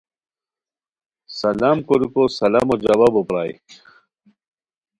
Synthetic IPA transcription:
sɐlamkoɾukosɐlamod͡ʑɐbabopɾaːj̰

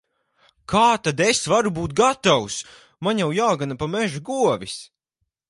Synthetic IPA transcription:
kʰaːt̪ad̪esvaɾubuːt̪̚ɡat̪aws | maɲjawjaːɡanapamɛʒuɡuɔvis

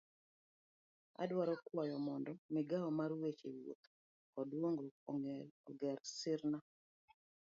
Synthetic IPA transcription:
a̰dwaɾɔkwɔjɔmɔndɔmɪɡaɔmaɾwet͡ʃḛwo̰t̪ | kɔdwoŋɡo | ɔɡɛɾsɪɾna

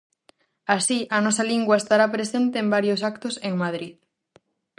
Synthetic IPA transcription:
asiʔɐnɔsɐliŋɡwaest̪aɾapɾesent̪eːmbaɾjosakt̪ʊseŋmað̞ɾið

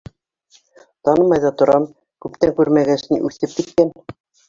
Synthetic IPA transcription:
t̪ɑnɤmɑjðɑt̪ŏɾɑm | kʉpt̪æŋkʉɾmæɡæʃniʔʉθɘp̚kit̪̚kæn

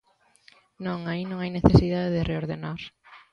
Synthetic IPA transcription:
nõŋainõŋajneθesiðaðeðɪreoɾðenaɾ

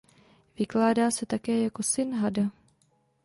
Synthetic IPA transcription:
vɪklaːdaːsɛt̪akɛːjako̞sɪnɦada

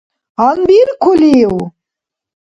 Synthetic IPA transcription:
anbiɾkʰʊliw

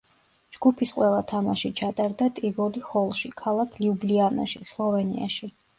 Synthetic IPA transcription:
d͡ʒɡupʰisqʼwɛlˠat̪ʰamaʃit͡ʃʰat̪ʼaɾd̪at̪ʼiɡɔliχɔlˠʃikʰalˠakʰliubliana̰ʃislˠɔvɛnḭa̰ʃi

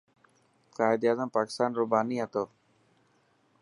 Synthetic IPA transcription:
kaːɪd̪jaːzəmpaːkɪ̥st̪aːnɾuːbaːniːɦət̪oː

